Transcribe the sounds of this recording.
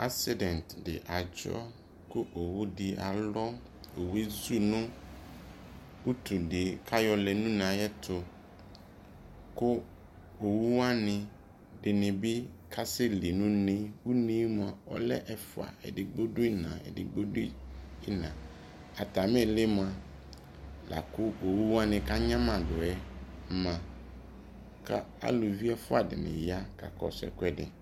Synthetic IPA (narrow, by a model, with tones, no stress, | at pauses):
a˦sɪ˦dɛ̃˨ntdɪ̰˨ʔa˨d͡ʒɔ̰˦ | kʊ˦ʔo˨wʊ˦dɪ˨a˨lɔ˦ | o˨we˦zu˦nʊ̃˦ | u˦tʰu˨dɪ˨kʰa˦jɔ˨lɛ˨nũ˦nã˨jɛ˦tʰʊ˨ | kʊ˦ | o˨wu˦wa˦nɪ̃˨ | dɪ˨nɪ̃˨bɪ˦kʰa˦sɛ˦li˨nʊ̃˦nɪ̃˦wu˦nĩ˦mʊ̃˨a˨ɔ̰˦lɛ˦ʔɛ˦fʊ˨a̰˨ɛ̰˨dɪ˨ɡ͡bo˦dʊ˦i˦nã̰˨ɛ̰˨dɪ˨ɡ͡bo˦di˦ɪ˦nã˨ | a˨ta˨mɛ̃˦˨lɪ˦mʊ˨a˨ | la̰˨kʊ˦o˨wu˦wa˦nɪ̃˨ka˦ɲã˦mã˨dʊ˨ɛ˦mã˨ | kʰa˦a̰˦lʊ˨vi˦ɛ˦fʊ˦a˨dɪ̰˨nɪ̰̃˨ja˦kʰa̰˨kɔ̰˨sɛ̰˨kʷɛ˦dɪ̰˨